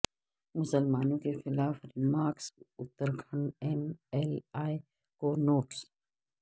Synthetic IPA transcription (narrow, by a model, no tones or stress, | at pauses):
mʊsəlmaːnõkexɪlaːfɾɪmaːɾksʊt̪ːəɾɡʰʱəɳɛmɛlaːe | konoːʈs